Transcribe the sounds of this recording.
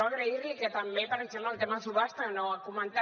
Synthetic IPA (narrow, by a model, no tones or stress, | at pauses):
aɣɾeiriket̪ambepaɾet͡ʃemalt̪emasuβast̪anoakumẽnt̪a